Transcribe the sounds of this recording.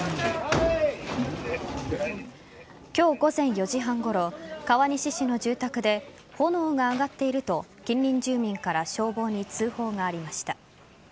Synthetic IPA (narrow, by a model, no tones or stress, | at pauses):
kʲo̞ːɡo̞zẽ̞ɰ̃jo̞ʑiɦãŋɡo̞ɾo̞kaβaɲ̟iɕiɕino̞ʑɨːt̪akɯ̟d̪e̞ | honoːŋaːɡat̪ːe̞iɾɯ̟t̪o̞kʲĩɲʲɾʲĩɲ̟d͡ʑɨːmʲĩŋkaɾaɕo̞ːbo̞ːɲ̟it͡sɨːho̞ːŋaːɾʲimaɕi̥t̪a